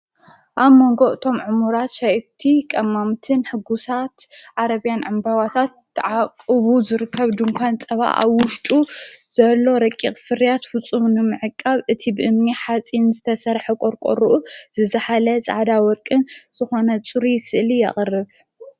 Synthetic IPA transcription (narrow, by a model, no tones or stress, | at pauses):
ʔaβmo̞ŋɡo̞ʔɨt̪ʰo̞mʕɨmuɾat̪ʃajt̪ʰːikʼɐmːamt̪ʰɨnħɨɡusat̪ʕaɾɐβijanʕɨmbawat̪ʰat̪ʰːɨʕakʼɨβuzɨɾɨkʰːɐβd̪ɨŋkʷʰant͡sʼɐβa̰ʔʔa̰βwʊʃt̪ʼuz̥ɐlːo̞ɾɐkʼːiχʼfɨɾijat̪fɨt͡sʼːumnɨmɨʕɨkʼːaβʔɨt̪ʰibɨʔɨmniħat͡sʼinzɨt̪ʰɐsɐɾħɐkʼoɾkʼo̰ɾuʔuz̥ɨzɐħalɐt͡sʼa̰ʕd̪awɔɾkʼɨnz̥ɨxo̞nɐt͡sʼuɾisɨʔlijɛ̰χʼɨrːɨβ